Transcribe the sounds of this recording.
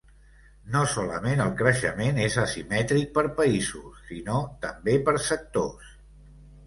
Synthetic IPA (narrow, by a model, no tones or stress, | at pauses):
nosɔləmenəlˠkɾəʃəmenezəsimɛt̪ɾik̚pəɾpəizusːinot̪əmbepəɾsək̚t̪os